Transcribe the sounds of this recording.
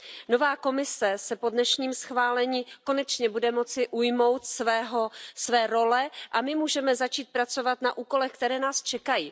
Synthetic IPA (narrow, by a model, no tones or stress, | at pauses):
no̞vaːko̞mɪsɛsɛpo̞dnɛʃɲiːmsxvaːlɛɲiːko̞nɛt͡ʃɲɛbudɛmo̞t͡sɪʔujmo̞wt̪svɛːɦosvɛːɾo̞lɛʔamɪmuːʒɛmɛzat͡ʃiːt̪̚pɾat͡so̞vat̪naʔuːko̞lɛxkt̪ɛɾɛːnaːst͡ʃɛkajiː